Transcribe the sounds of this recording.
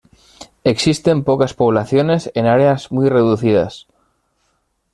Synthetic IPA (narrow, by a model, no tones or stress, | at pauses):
e̞ksist̪e̞mpokaspo̞β̞laθjo̞ne̞senaɾeazmujre̞ðuθiða̰s